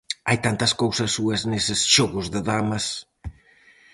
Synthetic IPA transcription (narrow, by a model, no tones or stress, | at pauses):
ajt̪ant̪ɐskowsɐsːuɐsnesɪsʃoɣʊzðɪðamɐs